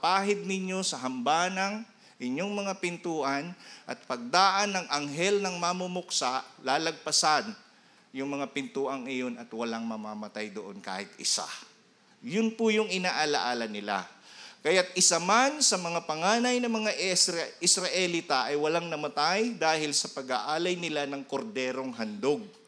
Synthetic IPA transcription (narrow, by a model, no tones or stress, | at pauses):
paːɦɪd̪̚nɪɲjo̞sɐɦɐmbaːnɐŋ | ʔɪɲːo̞ŋmɐŋapɪnt̪uːʔɐnʔɐt̪̚pɐɡ̚d̪aːʔɐnːɐŋʔɐŋɦɛlnɐŋmamʊmʊk̚saʔlaːlɐɡ̚pɐsan | jʊŋmɐŋapɪnt̪uːʔɐŋɪjonɐt̪wɐlaŋmɐmamɐt̪ajd̪oʔo̞nka̰ːhɪt̪̚ɪ̰sa̰ | jʊnpʊjʊŋɪnaːʔɐla̰ʔaːlɐnɪla̰kɐjat̪̚ɪsamansɐmɐŋapɐŋaːnɐjnɐmɐŋaʔɪsɾɐʔɛlit̪aʔɐjwɐlaŋnɐmɐt̪ajd̪aːhɪlsɐpɐɡaʔaːlɐjnɪlanɐŋkoɾd̪ɛːɾo̞ŋɦɐnd̪oɡ̚